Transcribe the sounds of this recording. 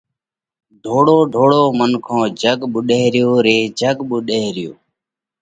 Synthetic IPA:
ɖʱoːɽoːɖʱoːɽoːmənkʰõːd͡ʒʱəɡɓʊɗeːɾɪjoːɾeːd͡ʒʱəɠɓʊɗeːɾɪjo̰ː

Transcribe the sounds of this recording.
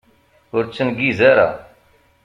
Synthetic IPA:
ʊɾt͡ʃʰənɡiːzeːɾa̰ː

